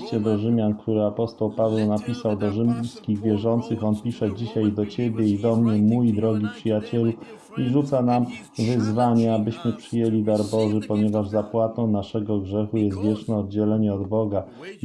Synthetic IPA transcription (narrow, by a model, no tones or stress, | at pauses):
t͡ɕɛd̪ɔʐɘmʲjank̚t̪uɾɘapɔst̪ɔwpavɛwnapʲisawd̪ɔʐɘmuskʲiɣvʲjɛʐɔnt̪sɘxɔnpʲiʂɛd͡ʑiɕajd̪ɔt͡ɕebʲjɛid̪ɔmɲɛmujd̪ɾɔɡʲipʂɘjat͡ɕɛlu | iʐut̪sanam | vɘzvaɲɛabɘɕmɘpʂɘjelʲid̪aɾbɔʐɘpɔɲɛvaʐzapwat̪ɔ̃w̃naʂɛɡɔɡʐɛxujɛst̪vʲjɛt͡ʂnɛɔd̪̚d͡ʑɛlɛɲɛɔd̪bɔɡa